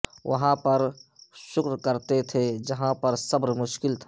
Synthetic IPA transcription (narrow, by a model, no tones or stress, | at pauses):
ʋɐ̰ɦãpɐɾʃʊkɾkɐɾt̪et̪ʰed͡ʒɐɦãpɐɾsɐbɾmʊʃkɪlt̪ʰa